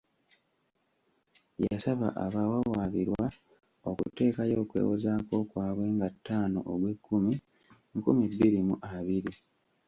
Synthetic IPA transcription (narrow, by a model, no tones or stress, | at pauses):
jasaβa̰ʔaβawawaβiɾwa | o̞kṵte̞ːkajo̞ːkwḛːwozaːko̞kwaːβwe̞ːŋɡatʰːaːno̰ʔoɡwe̞kːumi | ŋkumibːiɾimuʔaβiɾi